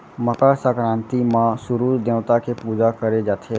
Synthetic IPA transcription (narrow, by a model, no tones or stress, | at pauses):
məkasaːkɾãːnt̪imãsʊɾuːd̪ẽːʋt̪akʰepuːd͡ʒakəɾed͡ʒaːt̪ʰeː